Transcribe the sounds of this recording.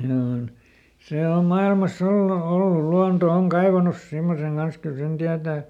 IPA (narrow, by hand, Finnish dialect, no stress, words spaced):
hinæ on seˑ om mɑilmɑs olːu ol luɑnto oŋ kɑiʋɑnus simːoseŋ ɡ̊ɑns kyl sen tiætæˑ